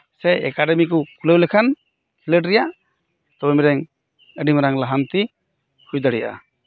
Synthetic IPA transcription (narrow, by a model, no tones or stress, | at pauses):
sɛɛ̰kaɖɛmikukulewlɛkʰan | hiləʈɾɛjaʔ | t̪ɔbɛmiɾɛŋ | əɖimɾaŋlaɦant̪i | hʰujd̪aɽɛjaʔa̰